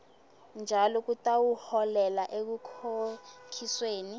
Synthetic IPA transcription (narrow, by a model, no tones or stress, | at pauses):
nd͡ʒʱalɔk̬utʼawuhɔlɛlaʔek̬ukʰokʰisweːni